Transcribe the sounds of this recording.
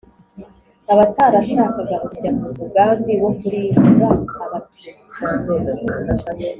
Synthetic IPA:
aβataɾaʃaːkaɡaʔuɟamuzubɡaːmɡeβokuɾiːɾβaːβatu̥

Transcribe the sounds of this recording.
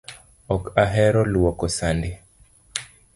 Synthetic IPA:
ɔkaɦɛɾɔluwɔkɔsande

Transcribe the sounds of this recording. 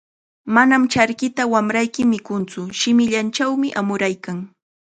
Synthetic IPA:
manamt͡ʃaɾkɪt̪awamɾajkɪmɪkʊnt͡sʊʃɪmɪʎant͡ʃawmɪʔamʊɾajkaŋ

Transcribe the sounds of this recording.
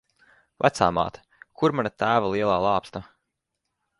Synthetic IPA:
vʔæ̰t̪saːma̰ːt̪ | kʰuɾmanat̪æːvalˠiɛlˠaːlˠaːpst̪a

